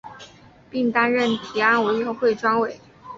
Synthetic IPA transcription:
pi˥˩ŋt̪a˥nɻə˥˨˩nt̪ʰi˨˩a˥u˨˩i˥˧xo˥˧ʊxwe˥˩ɪʈ͡ʂwɑ˥ŋwe˨˩˦ɪ

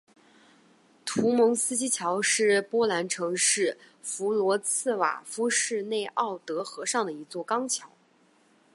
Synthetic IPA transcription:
t̪ʰu˧˥mɤ˧˥ŋsɹ̩˥t͡ɕi˥t͡ɕʰjɑ˧˥ʊʂɻ̩˥˩pwɔ˥la˧˥nʈ͡ʂʰɤ˧˥ŋʂɻ̩˥˩ | fu˧˥lwɔ˧˥t͡sʰɹ̩˥˩wa̰˨˩fu˥ʂɻ̩˥˧ne˥˧ɪʔɑ˥˩ʊt̪ɤ˧˥xɤ˧˥ʂɑ˥˩ŋd̪ə˩i˧˥t͡swɔ˥˩kɑ˥ŋt͡ɕʰjɑ˧˥ʊ

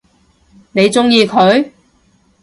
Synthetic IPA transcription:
ne˨˧jt͡sʊ˥ŋjiː˧kʰɵ˨˧ɥ

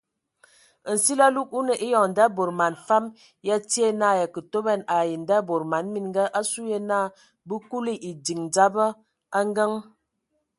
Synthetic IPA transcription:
n̩˨si˦la˦lu˦k̚u˦nə˨ʔi˦jɔ˨ŋ˨n̩˨da˦bo˨ɾma˨nfa˦m | ja˦ti˦e˦na˦˨ja˨kə˨to˦bɛ˦˨na˨ji˨n˨da˦˨bo˨ɾma˨˦nmi˦nŋ˦ɡa˦ʔa˦su˦je˦na˦˨ | bə˦ku˦li˦ʔi˨di˨ŋ˨d͡za˦bə˦ | a˦ŋ˦ɡə˦ŋ

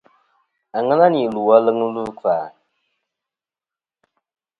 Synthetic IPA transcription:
a˨ŋɨ˦na˦ni˨lu˨wa˦lɨ˦ŋ˦lu˦k͡paː˨

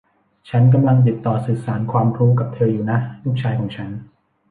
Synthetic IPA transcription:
t͡ɕʰa˦˥nk̬a˧mla˧ŋt̪̬i˨˩t̪ːɔː˨˩sɯː˨˩saː˩˦nkʰwaː˧mʰɾuː˦˥ka˨˩p̚t̪ʰɤː˧juː˨˩na˦˥ju˦˥k̚t͡ɕʰaː˧jkʰɔː˩˦ŋt͡ɕʰa˦˥n

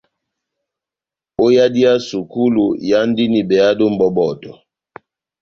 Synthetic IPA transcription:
o˦ja˦di˦a˦su˨ku˦lu˨ja˦n˦di˦ni˨bɛ˨a˦do˦m̩˦bɔ˦bɔ˨tɔ˨

